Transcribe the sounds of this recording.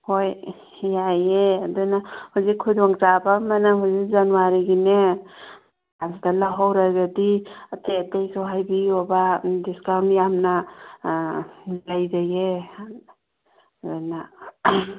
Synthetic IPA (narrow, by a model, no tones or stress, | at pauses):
hoj | jajedɔjnahuzikʰujdɔŋzabamanaɦuzik̚zanuwaɾiɡine | azidalaɦawɾaɡaditʰetejsɔɦajbiobadiskawnjamna | lajzaje | dɔjna